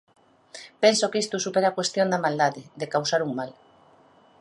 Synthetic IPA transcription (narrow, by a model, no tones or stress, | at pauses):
pensokist̪osupeɾakwest̪jond̪amald̪aðeðekawsaɾuŋmal